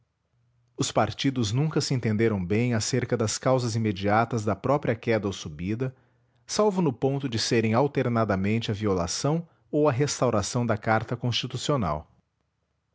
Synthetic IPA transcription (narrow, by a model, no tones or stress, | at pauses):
ʊspaɾt͡ʃid̪ʊznũŋkɐsɪẽnt̪ẽnd̪eɾɐ̃w̃bẽj̃aseɾkɐd̪ɐskawzɐzimed͡ʒiat̪ɐzd̪ɐpɾɔpɾiɐkɛd̪ɐowsubid̪ɐ | sawvʊnʊpõnt̪ʊd͡ʒɪseɾẽj̃awt̪eɾnad̪ɐmẽnt͡ʃɪɐviola̰sɐ̃w̃ | owɐɦest̪awɾasɐ̃w̃d̪ɐkaɾt̪ɐkõst͡ʃit̪usiona̰w